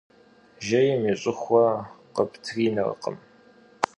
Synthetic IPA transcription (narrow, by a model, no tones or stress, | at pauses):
ʒɐjɪmiɕʼɪχʷɐqəpʰtʰriːnɐ̰rə̰qə̰m